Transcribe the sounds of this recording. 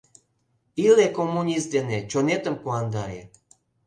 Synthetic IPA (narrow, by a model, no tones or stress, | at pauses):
ilekomːunʲist̪̚d̪enet͡ɕonet̪əmpuɑnd̪ɑɾḛ